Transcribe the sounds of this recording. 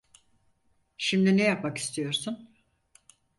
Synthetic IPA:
ʃimd̪inɛjapmaki̥st̪ʰijo̞ɾsun

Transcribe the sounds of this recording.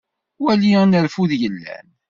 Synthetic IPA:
wælinəɾfuðjəlːæ̰n

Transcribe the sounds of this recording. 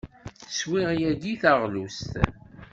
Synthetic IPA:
swiʁjæɡiθəʁlust̪

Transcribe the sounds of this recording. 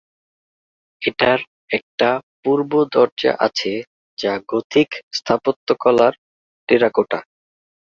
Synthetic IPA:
eʈaɾ | ɛk̚ʈapuɾbod̪ɔɾd͡ʑa̰ʔat͡ɕʰe | d͡ʑaɡot̪ʰikst̪ʰapot̪ːokɔlaɾ | ʈeɾakoʈa̰

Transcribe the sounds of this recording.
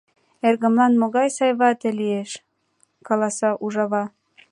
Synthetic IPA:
erɣə̆mlɑnmoɣɑjsɑjβɑt̪ĕlieʃ | kɑlˠɑsɑʔuʒɑβɑ

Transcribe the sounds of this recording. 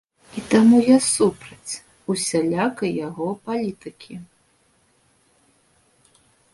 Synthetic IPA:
it̪amujasupɾɐt͡sʲ | usʲalʲakɐjaɣɔpalʲit̪ɨkʲʰi

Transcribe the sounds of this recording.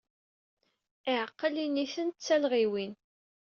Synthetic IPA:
ɪʕəqːəliniθənt̪t͡sːælʁiwin

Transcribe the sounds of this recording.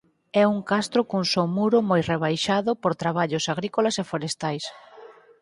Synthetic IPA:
ɛuŋkast̪ɾʊkuŋsomuɾʊmojreβajʃaðʊpoɾt̪ɾaβaʎʊsaɣ̞ɾikolasefoɾest̪ajs

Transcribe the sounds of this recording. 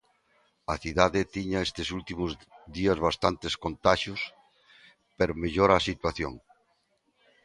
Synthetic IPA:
ɐθiðaðet̪iɲaest̪esult̪imʊzðiɐzβast̪ant̪eskont̪aʃʊs | peɾmeʎoɾasit̪waθjo̰ŋ

